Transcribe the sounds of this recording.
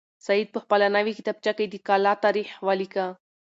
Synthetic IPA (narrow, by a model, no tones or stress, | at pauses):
said̪̚pəhpalanaʋikit̪ab̚t͡ʃakəjd̪ikalat̪aɾiħʋalika